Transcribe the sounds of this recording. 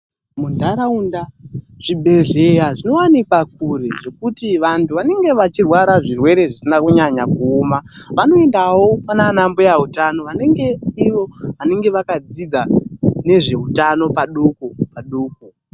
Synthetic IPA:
mundʱaɾaunda | ʐ̥ibʱe̞ɮejaʐino̞wanikwak̚uɾe̞ʐe̞kutiʋantʰuʋane̞ŋɡe̞ʋat͡ʃirwaɾaʐirwe̞ɾe̞ʐisinakuɲaɲakuomaʋano̞endawo̞mananambo̞jautano̞ʋane̞ŋɡe̞iʋo̞ʋane̞ŋɡe̞ʋakad͡zid͡zane̞ʐe̞utano̞paɗukopaɗuːk̚u

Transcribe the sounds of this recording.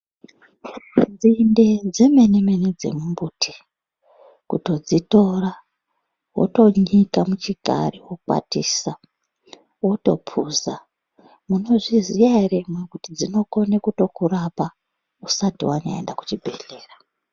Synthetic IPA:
d͡zinde̞d͡ze̞me̞nemened͡ze̞̰mumbuːtʰi̥ | kuto̞d͡zito̞ra | wo̰to̞ɲikamut͡ʃiɡʱa̰riwok͡pwa̰tiːsa | woto̞pʰuza | muno̞ʐizijaire̞mwekutid͡zino̞ko̞nekuto̞kurapa | usatiwana̰ḛndaku̥t͡ʃibʱe̞ɮe̞ːra

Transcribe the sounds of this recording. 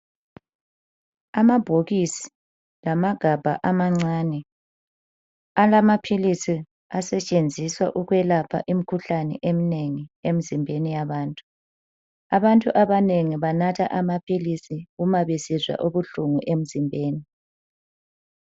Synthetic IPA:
amab̥ʱoɣisi̥ | lamaɡ̥ʱab̥ʱa̰ʔamaŋ͡ǀaːnɛ | alamapʰilisi | asɛt͡ʃʼend͡zʱiswa̰ʔuɣwɛlapʰa̰ʔim̩kʰuɬanɛ̰ʔemineŋiem̩zimbʱenijaβaːntʼu̥ | aβantʼuʔaβaneŋiβanatʰaʔamapʰilisiɣumaβesizwa̰ʔoβuɬuŋuʔem̩zimbʱeːni

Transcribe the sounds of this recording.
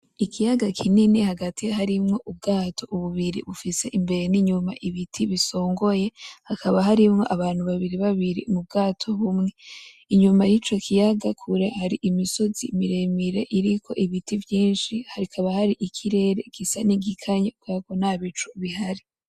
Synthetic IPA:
ikʰijaɡakʰininihaɡatʰihaɾimŋo̞ʔub̚ɡaːtʰo̞uβuβiɾḭβufise̞ʔimbe̞ɾe̞niɲumaʔiβitʰiβiso̞ːŋɡo̞je̞hakʰaβaɦaɾimŋo̞ʔaβaːn̥huβaβiɾiβaβiɾḭmub̚ɡaːtʰo̞βumŋe̞ | iɲumajit͡ʃo̞kʰijaɡakʰuɾehaɾiʔimiso̞zḭmiɾe̞miɾe̞ʔiɾikʰo̞̰ʔiβitʰivjiːnʃihaɾikʰaβahaɾiʔikʰiɾe̞ːɾe̞ɡ̥isaniɡikʰaɲakakonaβit͡ʃuβihaɾi

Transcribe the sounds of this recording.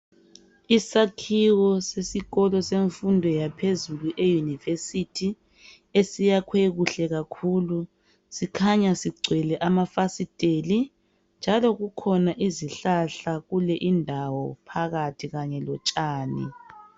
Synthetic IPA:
isakʰiɣɔsesiɣɔlɔseɱfundʱɔjapʰezuluʔejunivesitʰi | esijakʰweɣuɬɛɣakʰuːlu | sikʰaɲasiɡ͡ǀʱwɛlɛʔamafasitʼeli | nd͡ʒʱalɔɣukʰɔnaʔiziɬaɬaɣulɛʔindʱawɔpʰaɣatʰiɣaɲɛlɔt͡ʃʼaːnḭ

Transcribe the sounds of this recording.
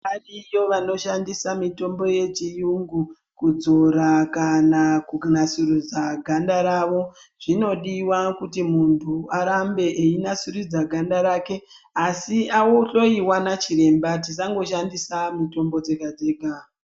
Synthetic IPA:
arijo̞ʋano̞ʃandisamito̞mbo̞je̞t͡ʃijuŋɡu | kud͡zo̞ɾakanakunasurid͡zaɡʱandaɾaʋo̞ | ʐ̥ino̞ɗiwakutimuntʰuaɾambe̞ʔeinasurid͡zaɡʱandaɾaːke̞ | asiawoɬo̞iwanat͡ʃiɾe̞mbat̬is̬aŋɡo̞ʃandisamito̞mbo̞d͡ze̞ɡʱad͡zeːɡʱa

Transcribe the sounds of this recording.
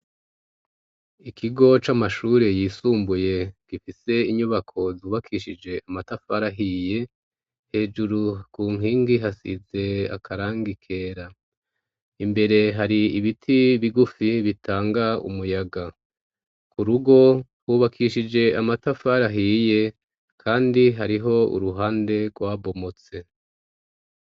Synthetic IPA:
ikʰiɡo̞t͡ʃamaʃuːɾe̞jiːsuːmbuje̞ɡ̥ifise̞iɲuβakʰo̞zuːβakʰiʃid͡ʒe̞amatafaɾaɦiːje̞ | he̞ːd͡ʒuɾukuːŋ̥ɦiːŋɡiɦasḭze̞a̰kʰaɾaːŋɡikʰe̞ːɾa | imbe̞ɾe̞ɦaɾiiβitʰiβiɡufiβitʰaːŋɡaṵmujaɡa | kuɾuɡo̞ | wuːβakʰiʃid͡ʒe̞amatafaɾaɦije̞ | kʰaːndiɦaɾiɦo̞ṵɾuɦaːnde̞ɡwaːβo̞mo̞t͡se̞

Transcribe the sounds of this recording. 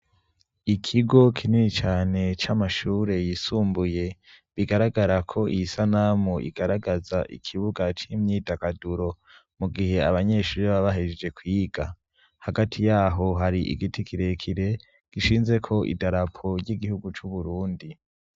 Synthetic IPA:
ikʰiɡo̞kʰininit͡ʃaːne̞t͡ʃamaʃuːɾe̞jisuːmbuje̞ | βiɡaɾaɡaɾakʰo̞ʔijisanamoʔḭɡ̥aɾaɡazaʔḭkʰiβuɡat͡ʃimɲiːdakaduɾo̞ | muɡihe̞aβaɲeʃuːɾeβaβaɦed͡ʒd͡ʒe̞kwiːɡa | haɡatʰijaːɦo̞ɦaɾiʔḭɡitikʰiɾe̞kʰiɾe̞ | ɡ̥iʃiːnze̞kʰo̞ʔḭdaɾapʰo̞ɾjiɡihuɡut͡ʃuβuɾuːndi

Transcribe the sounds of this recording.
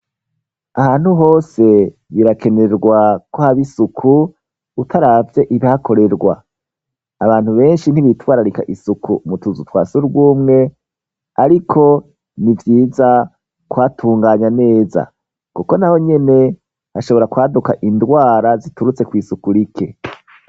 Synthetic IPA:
ahaːn̥huɦo̞ːse̞ | βiɾake̞ne̞ɾɡwakwohaβisukʰu | utʰaɾavje̞ʔiβihako̞ɾe̞ɾɡwa̰ː | βaːn̥huβe̞ːnʃin̥iβitwaːɾaɾika̰ʔisukumutuzutwa̰ːsuɾɡuːmŋe̞ | aɾikʰo̞ | nivjiːza | kwatʰuːŋɡaːɲane̞ːza̰ | kuko̞naho̞ɲe̞ne̞ | haʃo̞βo̞ɾakwaːdukaʔindwaːɾazituɾut͡se̞kwiːsukuɾikʰe̞

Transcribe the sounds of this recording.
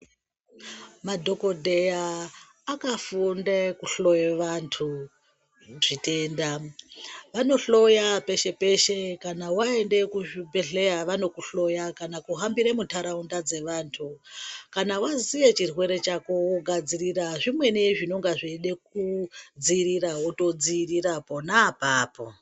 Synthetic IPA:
madʱo̞ko̞dʱejaː | kafundekuɬo̞jeʋantʰu | ʐ̥ite̞nda | ʋano̞ɬo̞jape̞ʃe̞pe̞ʃe̞kanawae̞nde̞kuʐibeɮe̞jaʋano̞kuɬo̞jakanakuɦambiɾemuntʰaɾaundad͡ze̞ʋaːntʰukanawazijet͡ʃirwe̞ɾe̞t͡ʃakowoɡʱad͡ziriraʐimwe̞niʐino̞ŋɡaʐiɗe̞k̚ud͡ziiɾirawoto̞d͡ziːriraponaːpaːpo̞̰

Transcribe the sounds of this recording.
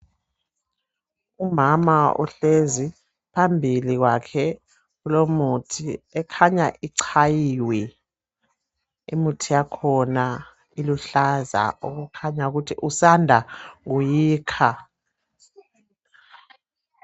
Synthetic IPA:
umamaṵɬezi | pʰambʱiliɣwakʰɛ | ɣulomutʰiɛkʰaɲaʔiǀʰajiwi | ḭmutʰijakʰɔna | iluɬaza̰uɣukʰaɲauɣutʰiʔusandʱaŋujiːkʰa

